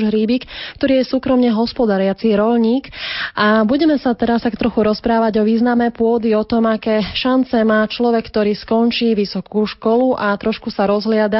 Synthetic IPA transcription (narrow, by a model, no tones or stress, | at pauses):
ʒɦɾiːbiːkkt̪ɔɾiːjɛsuːkɾɔmɲɛɦɔspɔd̪aɾɪat͡siɾɔʎɲiːkʔabuɟɛmɛsat̪ɛɾast̪akt̪ɾɔxuɾɔspɾaːʋaɟɔʋiːznamɛpʊɔd̪iɔt̪ɔmakɛːʃant͡sɛmaːt͡ʃlɔʋɛkkt̪ɔɾiːskɔnt͡ʃiːʋisɔkuːʃkɔluʔat̪ɾɔʃkusaɾɔzɦlɪad̪a